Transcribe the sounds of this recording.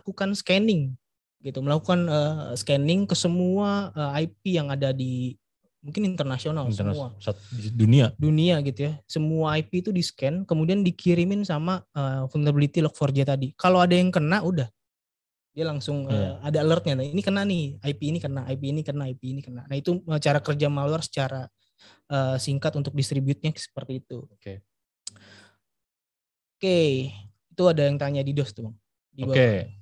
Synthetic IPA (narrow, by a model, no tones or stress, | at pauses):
akukanskɛnɪŋ | ɡ̥it̪uməlakukanəsəkɛnɪŋkəsəmuaəaip̚ijaŋadadi | muŋkɪnint̪ərnasionalsəuaduniaduniaɡit̪ujasəmuaːpit̪udiskɛnkəmudiandikiɾimɪnsamaəfunt̪abilit̪ilɔk̚fɔrd͡ʒat̪adikaloadajaŋkənaʔudah | dialaŋsʊŋəadaːlərt̪̚ɲanainikənanɪhaipiːnikənaʔaip̬iːnikənaajpiːnikənanahit̪uət͡ʃaɾakərd͡ʒamaluarsə̥t͡ʃaɾa | əsiŋkat̪unt̪ʊk̚dist̪ɾibjʊt̪̚ɲasə̥pərt̪iːt̪uke | oke | it̪uadajaŋt̪aɲadidɔst̪uaŋ | dibae